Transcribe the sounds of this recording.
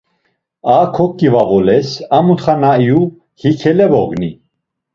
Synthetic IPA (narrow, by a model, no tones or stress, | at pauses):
akʰɔkʼːivavɔlɛsamut̪χanaiju | hikʰɛlɛbɔɡni